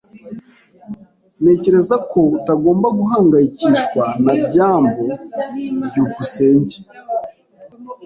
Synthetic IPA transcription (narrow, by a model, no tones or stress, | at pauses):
ne̞ːce̞ɾe̞zakʰo̞taɡo̞ːmbaɡuɦaːŋɡajiciʃkwanabɟaːmbo̞ | bɟuːkuse̞ːɲɟe̥